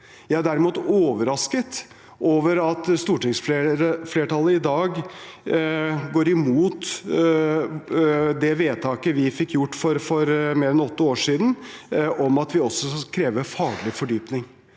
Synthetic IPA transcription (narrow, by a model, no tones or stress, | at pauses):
jæɪæɖæɾɪmuːt̪oːʋəɾɑskət̪ | ʔoːʋəɾɑt̪st̪uːʈɪŋsfefleːʈɑlːəɪd̪ɑːɡ | ɡoːɾɪmuːt̪ | d̪ɛʋeːt̪ʰɑːkəʋɪfɪkːjʊʈːfɔɾfɔɾmeːɾɛnɔt̪ːəoːʂiːd̪n̩ʔɔmɑt̪ʋɪɔsɔkʰɾeːʋəfɑːɡɭɪfɔɖyːpnɪŋ